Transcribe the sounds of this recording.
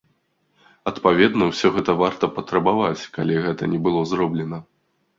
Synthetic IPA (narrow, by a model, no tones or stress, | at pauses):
ɐt̪pavʲɛd̪nɐwsʲɔɣɛt̪ɐvart̪ɐpɐt̪ɾɐbavat͡sʲkalʲiɣɛt̪ɐnʲɛbɨlˠɔzɾɔblʲɛnɐ